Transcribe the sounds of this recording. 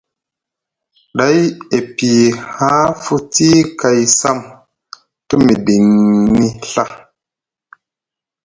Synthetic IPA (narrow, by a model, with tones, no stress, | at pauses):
ɗa˨˦je˨pi˨ha˦fu˦ti˦ka˨jsa˦˨m | tu˦mi˨di˨nːi˦ɬa˦